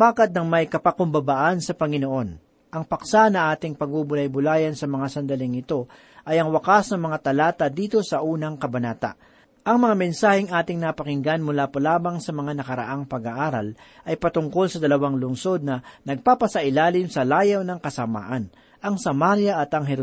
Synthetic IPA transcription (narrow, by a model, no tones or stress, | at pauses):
baːkɐt̪̚nɐŋmɐjkɐpɐkʊmbɐbaʔɐnsɐpɐŋɪnoʔo̞n | ʔɐŋpɐksanɐŋʔaːt̪ɪŋpɐɡ̚ubʊlajbʊlaːjɐnsɐmɐŋasɐnd̪ɐlɪŋɪt̪o̞ | ʔɐjɐŋwɐkasnɐŋmɐŋat̪ɐlaːt̪ɐd̪iːt̪o̞sɐʔuːnɐŋkɐbɐnaːt̪a̰ | ʔɐŋmɐŋamɛnsaːhɪŋʔaːt̪ɪŋnapɐkɪŋɡanmʊlaːpɐlaːmɐŋsɐmɐŋanɐkɐɾɐ̰ʔaŋpɐɡaʔaːɾɐ̰lʔɐjpɐt̪ʊŋko̞lsɐd̪ɐlɐwaŋlʊŋso̞d̪̚nɐnɐɡ̚papɐsɐʔɪlaːlɪmsɐlaːjɐwnɐŋkɐsɐma̰ːʔɐn | ʔɐŋsɐmaɾjɐʔɐt̪ɐŋɦɛɾ